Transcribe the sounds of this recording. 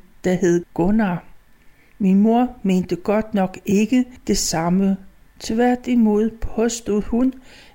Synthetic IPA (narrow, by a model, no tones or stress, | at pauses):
d̥ɑɦe̝ðˠɡ̥ɔnɑ | minmo̝ɐ̰me̝̰ːnd̥əɡ̥ɒ̽d̥nɒ̽ɡ̥e̝ɡ̥əd̥e̝sɑ̈mə | t͡sʰe̝ʋæɐ̰d̥imo̝ð̞̰ˠpʰɒ̽sd̥uð̩̰ˠhun